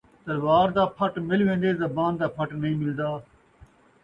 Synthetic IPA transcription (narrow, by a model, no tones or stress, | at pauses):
t̪əɾʋaːɾd̪aːpʰəʈmɪlʋẽːnd̪eːzəbaːnd̪aːpʰəʈnəɦĩːmɪld̪aː